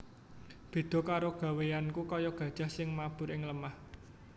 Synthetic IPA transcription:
b̥i̤d̪̥ɔ̤kaɾoɡ̥ä̤wejankukɔjɔɡ̥ä̤d̥ʒ̥a̤hsɪŋmab̥ʊ̤ɾɪŋləmah

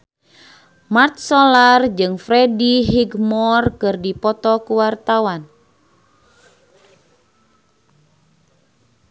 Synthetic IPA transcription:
mart̪̚sɔlard͡ʒɨŋfɾɛdiɦiɡmɔrkɨrdipɔt̪ɔkuwart̪awan

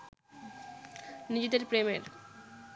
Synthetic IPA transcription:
nid͡ʒit̪ɐɾpɾemḛɾ

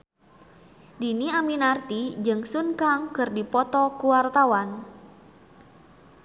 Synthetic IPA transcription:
diniaminart̪id͡ʒɨŋsunkaŋkɨrdipɔt̪ɔkuwart̪awan

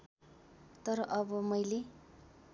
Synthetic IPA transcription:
t̪ʌɾʌʔʌbʌmʌjle

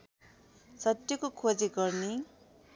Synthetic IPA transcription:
sʌt̪jʌkokʰod͡ziɡʌrne

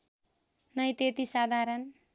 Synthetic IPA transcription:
nʌjt̪et̪isad̪ʱaɾʌn

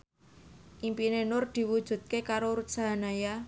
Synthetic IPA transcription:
ʔimpinenʊrd̪̥i̤wud̥ʒ̥ṳd̪̚kekaɾoɾut̪̚saɦanaja

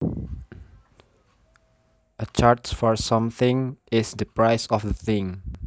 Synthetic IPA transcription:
ət͡ʃaɹtfɔɹsãmθɪ̃ŋɪsdəpɹaɪsɔfdəθɪ̃ŋ

